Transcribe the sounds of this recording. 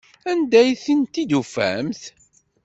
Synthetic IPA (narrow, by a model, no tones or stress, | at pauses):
ænd̪æjθənt̪id̪ufæ̰mθ